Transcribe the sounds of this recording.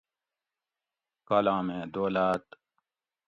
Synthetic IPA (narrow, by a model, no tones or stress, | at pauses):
kɐlãːmẽːd̪oːlaːt̪